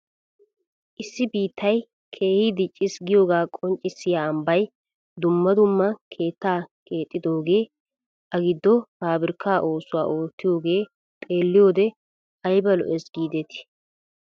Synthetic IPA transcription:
ʔɪsːɪbiːt̪ːɐj | kʰe̞ːhɪd̪ɪt͡ʃʼːɪsɡɪjo̞ːɡaːkʼɔnt͡ʃʼːɪsːɪjaːɐmbɐj | d̪ʊmːɐd̪ʊmːɐkʰe̞ːt̪ːaːkʰʼe̞ːt̪ʼːɪd̪o̞ːɡe̞ː | ɐɡɪd̪ːɔhaːbɪɾkːaːʔo̞ːsʊwa̰ːʔo̞ːt̪ːɪjo̞ːɡe̞ː | t̪ʼe̞ːlːɪjo̞ːd̪ɛ | ɐjbɐlɔ̰ʔɛsɡiːd̪ɛt̪ɪ̥

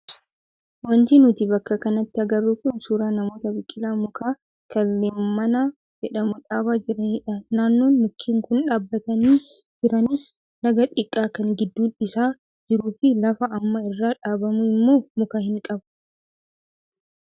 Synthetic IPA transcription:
wɐnt̪iːnʊt̪ɪbɐkːɐkɐnɐt̪ːɪɐɡɐrːukʊnsuːɾaːnɐmo̞ːt̪ɐbɪkʼːɪlaːmʊkaː | kɐlːeːmmːɐnaː | d͡ʒɛᶑɐmʊᶑaːbaːd͡ʒɪɾɐnːᶑɐnaːnːo̞ːnmʊkʰːiːŋkʊnᶑaːbːɐt̪ɐniː | d͡ʒɪɾɐnɪs | nɐɡɐt̪ʼɪkʼːaːkɐŋɡɪd̪ːuːɪsaː | d͡ʒɪɾuːfɪlɐfɐɐmːɐɪrːaːᶑaːbɐmʊɪmːo̞ːmʊkaːhɪŋkʼɐbɐ̥

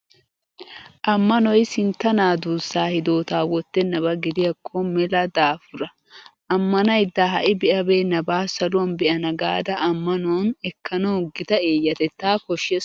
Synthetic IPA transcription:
ʔɐmːɐnɔjsɪnt̪ːɐnaːd̪uːsːaːhɪd̪o̞ːt̪aːwɔt̪ːɛnɐbɐɡɪd̪ɪjɐkʰːɔmɛlɐd̪aːfʊɾɐ | ʔɐmːɐnɐjd̪ːaːɦɐʔɪbɪʔɐbeːnɐbaːsɐlʊwɐnbɪʔɐnɐɡaːd̪ɐʔɐmːɐnʊwɐnɛkʰːɐnɐʊɡɪt̪ɐe̞ːjːɐt̪ɛt̪ːaːkɔʃːɛ

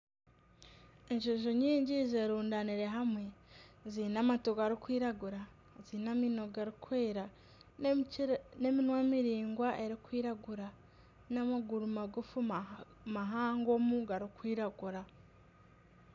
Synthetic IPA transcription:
eɲʒoʒoɲiːɲɟizeːɾuːndaniɾe̞ɦamwe̞zinamatoɡaɾikwiːɾaɡuɾa | zinamino̞ɡaɾikweːɾa | ne̞minwemiɾiːŋɡwaʔe̞ɾikwiːɾaɡuɾa | namaɡuɾumaɡufu | maɦaːŋɡomuɡaɾikwiːɾaɡuɾa

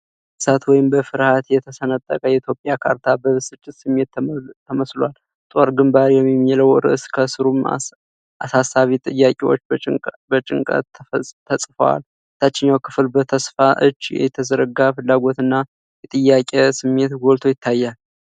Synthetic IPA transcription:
sat̪wɔjɪmbəfɨɾhat̪jɛt̪ʰəsənət̪ʼːə̰kʼəjɛit̪ʰjo̞pʼjakʰaɾt̪ʰabəsɨt͡ʃʼːɪt̪sɨmːe̞t̪t̪ʰːəməslwal | t̪ʼo̞ɾɡɨmbaɾjɛmːimːijɛləwɨɾɨ̰ʔskʰəsɨɾum̰ | ʔasasːaβit̪ʼɨjːakʼewo̞t͡ʃːʼbət͡ʃʼɪ̰ŋkʼə̰t̪t̪ʰːəsʼfəwa̰l | ɨt̪ʰːat͡ʃːɪɲːawkʰɨflbət̪ʰəsfaʔɨ̰t͡ʃːjɛ̰t̪ʰəzəɾəɡafɨlːaɡo̞t̪ɨnːa | jɛt̪ʼɨjːakʼesɨmːe̞t̪ɡolt̪ʰo̞jɪt̪ʰːajːal

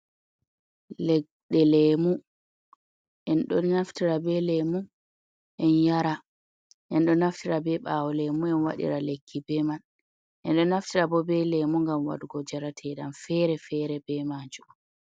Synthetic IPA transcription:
lɛ | ɗɛlɛmu | ʔɛnɗɔnnaftiɾabɛlɛmu | ʔɛnjaɾa | ʔɛnɗɔnaftiɾabɛɓaːwɔlɛmuɛnwa̰ɗḭɾalekʰːibɛman | ʔɛnɗɔnaftiɾabɔbɛlɛmuŋɡamwa̰duɡɔd͡ʒaɾatʰɛɗamfɛɾɛfɛɾɛbɛmaːd͡ʒu

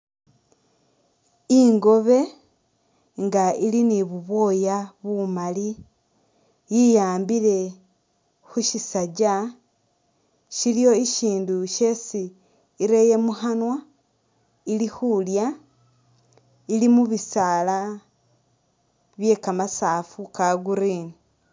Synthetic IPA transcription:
iŋɡo̞βe̞ | ŋɡailiniβuβo̞ːjaβumali | jijaːmbiɾe̞ | xuʃisaɟa | ʃilijo̞iʃiːnduʃesiː | ɾe̞je̞muhanwa | ilixulja | ilimuβisaːla | βje̞kamasaːfukaɡuɾiːni

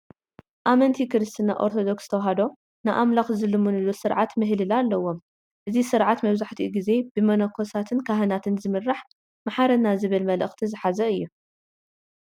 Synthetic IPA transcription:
ʔamɐnt̪ʰikɨɾɨst̪ʰinaʔo̞̰ɾt̪ʰod̪o̞kst̪ʰɐwɦad̪o̞ | nɨʔamlaxzɨlɨmunɨlusɨɾʕat̪mɨɦlɨlalːɐwo̞m | ʔɨzisɨɾʕat̪mɐβzaħt̪ʰiʔɡize̞b̥ɨmɐnɐkʰosat̪ʰɨnkʰaɦɨnat̪ʰɨnzɨmɨrːaħ | maħaɾɐnazɨβɨlmɐlʔɨ̰xt̪ʰizɨħazɐɨjːu

